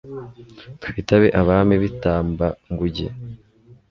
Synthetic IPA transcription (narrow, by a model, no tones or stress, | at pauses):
tufitaβe̞ʔaβaːmiβitaːmbaŋɡuɟḛ